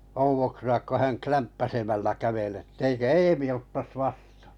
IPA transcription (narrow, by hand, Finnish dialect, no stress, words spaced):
ouʋoksuɑk ko hæŋ klæmpːæsemælːæ kæʋel etː eikø eːmĩ otːɑs ʋɑstɑ̥ː